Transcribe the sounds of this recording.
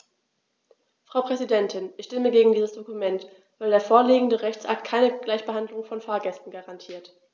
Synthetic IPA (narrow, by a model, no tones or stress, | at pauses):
fʁ̥aʊpʁ̥ɛzidɛntɪnʔɪçʃtɪməɡeːɡŋ̩diːzəsd̥okumɛnt | vaɪldeːɐfoːɐliːɡŋ̩dəʁɛçt͡sʔa̰k̚tkʰaɪnəɡ̥laɪçb̥əɦandlʊŋfɔnfaːɐɡɛstn̩ɡaʁantʰiːɐt